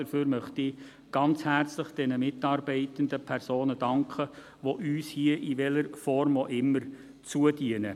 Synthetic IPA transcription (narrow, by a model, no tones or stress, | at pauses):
dəɾføːɾmœχtɪ | ɡ̥ɑnt͡shært͡slɪχd̥ɛnəmɪtɑːɾbɛɪtəndəpʰɛrsoːnəd̥ɑŋkʰχə | ʋoʔyːshiəʔiʋɛləɾfɔɾmoʔɪmːəɾ | t͡suədiənə